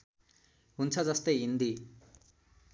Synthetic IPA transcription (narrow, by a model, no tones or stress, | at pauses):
ɦunt͡sʰʌd͡zʌst̪ʌjɦind̪i